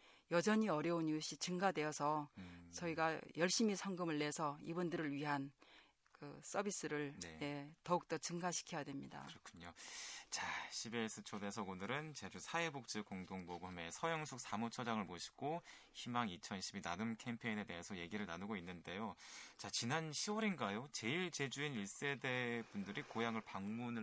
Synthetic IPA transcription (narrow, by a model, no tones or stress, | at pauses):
jʌd͡ʑʌɲiʌɾjʌunjuɕ͈it͡ɕɯŋɡadwe̞jʌsʰʌt͡ɕʌiɡajʌɭɕ͈imisʰʌŋɡɯmɯɭːe̞sʰʌibundɯɾɯɭɥiɦan | kɯs͈ʌbis͈ɯɾɯɭneje̞tʌuk̚t͈ʌt͡ɕɯŋɡaɕʰi̥kʰjʌjadwe̞mɲida̰ɯɾʌkʰu̥ɲot͡ɕaɕʰibes͈ʰɯt͡ɕʰode̞sʰʌɡondɯɾɯnt͡ɕe̞d͡ʑusʰaebok̚t͡ɕ͈ɯkoŋdoŋboɡume̞sʰʌjʌŋsʰuk̚samut͡ɕʰʌd͡ʑaŋɯɭmoɕʰi̥ɡ̥oçimaŋit͡ɕʰʌnɕʰibina̰nɯmkʰe̞mpʰe̞ine̞de̞ɦe̞sʰʌje̞ɡiɾɯɭnanɯɡoinːɯnde̞jot͡ɕat͡ɕinanɕʰiwʌɾinɡajot͡ɕe̞iɭt͡ɕe̞d͡ʑuiniɭs͈e̞de̞bundɯɾikojaŋɯɭpaŋmunɯ